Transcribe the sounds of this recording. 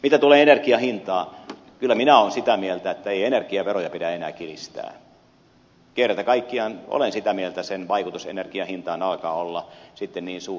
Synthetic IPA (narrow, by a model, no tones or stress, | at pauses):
mit̪æt̪uleːenerkiɑhint̪ɑː | kylːæminæoːnsit̪æmielt̪æet̪ːæeienerkiɑʋerojɑpiɾæenæ̰ːkilḭst̪æ̰ː | kierːˑæt̪ækɑikːiɑno̰lensit̪æmielt̪æsenʋɑikut̪usḛnerkiɑhint̪ɑːnɑlkɑːolːɑsit̪ːenniːnsuː